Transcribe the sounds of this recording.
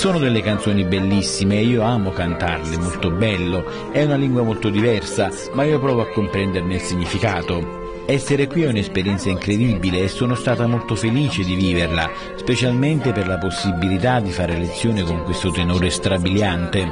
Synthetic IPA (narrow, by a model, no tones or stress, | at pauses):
soːnʊd̪elːekant̪soːnibelːisːimeːiːoaːmokant̪a̰rlɪmolt̪obɛlːo | ɛunaliŋɡwamolt̪od̪ivɛrsa | maiːopɾɔːvoakːompɾɛnd̪ernɪlsiɲːifikaːt̪o | ɛsːeɾekwiɛunespeɾjɛnt̪saiŋkɾed̪ibileːsːoːnost̪aːt̪amolt̪ofeliːt͡ʃed̪iviːverla | spet͡ʃalment̪eperlaposːibilit̪ad̪ːifaːɾelet̪sːjoːnɪkoŋkwest̪ot̪enɔːɾest̪ɾabiljant̪e